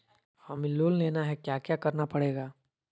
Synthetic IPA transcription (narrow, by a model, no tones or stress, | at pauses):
faːmiloːlleːnaɦɛkjaːkjaːkɐɾnapɐɽeːɡaː